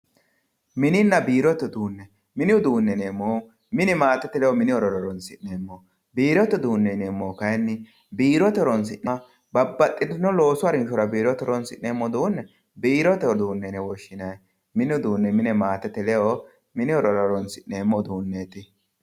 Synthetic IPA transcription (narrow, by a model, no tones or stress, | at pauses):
mɪnɪnːɐbiːɾɔt̪ːɛd̪uːnːɛ | mɪnɪʊd̪uːnːɛneːmːoː | mɪnɛmaːt̪ːɛt̪ɛlɛɔmɪnɪɔɾɔɾɔɾɔnsɪnnːeːmːo | biːɾɔt̪ːɛd̪uːnːɛneːmːoːkɐjɛnːɪ | biːɾɔt̪ɔɾɔns̬ɪʔːɐ | bɐbːɐt̪ʼːɪd̪nɔlo̞ːsʊɐɾɪnʃɔɾɐbiːɾɔt̪ɔɾɔnsɪʔnemːɔd̪uːnːɛ | biːɾɔt̪ːɛɔd̪uːnːɛnɛwɔʃːɪnɐj | mɪnɪʊd̪uːnːɛmɪnɛmaːt̪ːɛt̪ːɛlɛo | mɪnɪɔɾɔɾɔɾɔnsɪʔneːmːɔd̪uːnːet̪ɪ